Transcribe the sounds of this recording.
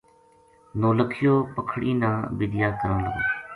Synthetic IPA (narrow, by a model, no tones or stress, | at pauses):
noːləkʰɪjoːpəkʰɽiːnãːbiːd̪ɪjaːkəɾə̃ːlə̰ɡo̰ː